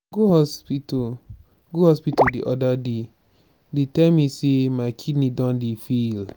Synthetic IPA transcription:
ɡuhɔspit | ɡuhɔspitodiʔɔdade | detɛlmisemaɪkʰidnidɔ̃ndefil

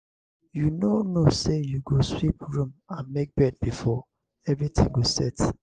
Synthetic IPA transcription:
junonosejuɡoswip̚ɹũmãnmek̚bɛd̚bifɔ | ɛvɹitʰḭ̃ŋɡosɛ̰t

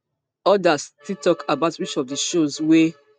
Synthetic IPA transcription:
ɔdastitɔkabaʊtɹit͡ʃɔvdəʃozwe

